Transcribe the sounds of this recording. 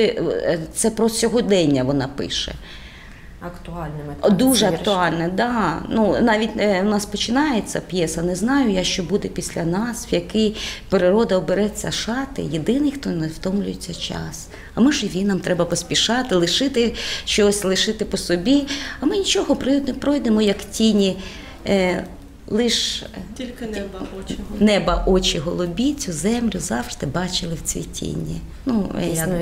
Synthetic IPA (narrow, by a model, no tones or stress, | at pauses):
t̪sɛpɾɔt͡sʲɔɦɔd̪ɛnʲːɐʋɔnɑpɪ̰ʃɛ̰ | ɐkt̪ʊɑlʲnd̪uʒɛɐktt̪ʊɑlʲnɛd̪ɑnunɑʋʲitʲnɑspɔt͡ʃɪnɑjet͡sʲːɐ̰pʲjɛsɐnɛznɑjʊjaʃt͡ʃɔbud̪ɛpʲisʲlʲɐnɑswjɐkɪjpeɾɪɾɔd̪ɐɔbeɾɛt͡sʲːɐʃɑt̪ɪ̰jed̪ɪnɪjxt̪ɔnɛwt̪ɔmlʲʊjet͡sʲːɐt͡ʃɑ̰s | ɐmɪʒɪʋʲinɐmt̪ɾɛbɐpɔsʲpʲiʃɑt̪ɪlˠɪʃɪt̪ɪʃt͡ʃɔsʲlˠɪʃɪt̪ɪpɔsɔbʲiɐmɪnʲit͡ʃɔɦɔpɾnepɾɔjd̪emɔjɐktʲinʲi | lˠɪʃʲ | nɛbɐʔɔt͡ʃiɦɔlˠɔbʲit͡sʲʊzɛmlʲʊzɑwʒ̥d̪ɪbɑt͡ʃɪlˠɪwt͡sʲḭjtʲʰḭnʲḭ | nṵjɐk